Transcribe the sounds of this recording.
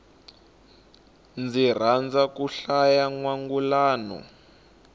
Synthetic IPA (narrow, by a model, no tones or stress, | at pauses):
nd͡zir̤and͡zakuɬajaŋwaŋɡulaːnɔ̰